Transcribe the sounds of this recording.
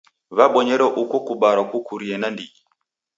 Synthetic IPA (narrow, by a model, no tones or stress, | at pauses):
βaɓɔɲɛɾɛʔukɔkuɓaɾakukuɾiɛnandii